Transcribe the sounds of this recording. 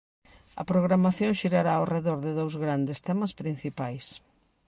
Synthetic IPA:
ɐ̰pɾoɣɾamaθjõŋʃiɾaɾaawreðoɾðɪðowzɣɾand̪ɪst̪ɛmɐspɾin̟θipajs

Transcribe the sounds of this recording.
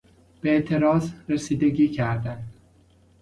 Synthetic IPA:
b̥eet̪ʰe̞ɾɒːzɾesiːd̪eɡiːcʰæɾd̪ænd̪

